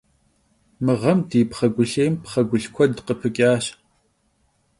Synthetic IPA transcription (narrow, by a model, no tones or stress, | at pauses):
mɨʁɐmdiːpχɐɡʷʊɬeːmpχɐɡʷʊɬkʷʰɔdqəpʰɨkʲʼaːɕ